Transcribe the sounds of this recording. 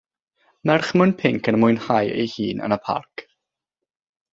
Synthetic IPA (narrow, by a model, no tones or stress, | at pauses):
mɛrχmʊnpʰɪŋkʰənmʊɨnhajḛjhiːnʔə̰nəpʰa̰rk